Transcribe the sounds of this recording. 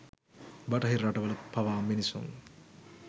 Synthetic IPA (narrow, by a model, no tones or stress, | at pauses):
baʈɐɦiraʈɐʋəlɐpaʋaːminisṵŋ